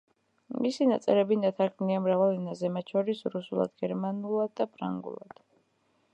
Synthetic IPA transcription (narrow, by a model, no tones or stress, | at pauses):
misinat̪sʼɛɾɛbinat̪ʰakʰniamɾavalˠinazɛmat̪̚t͡ʃʰɔɾisɾusulˠa̰d̪ɡɛɾmanulˠad̪̚ːapʰɾa̰ŋɡṵlˠa̰d̪̥